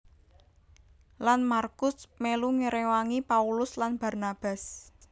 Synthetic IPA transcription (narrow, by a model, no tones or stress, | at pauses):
lanmarkʊsmeluŋəɾewaŋipaulʊslanb̥a̤rnab̥a̤s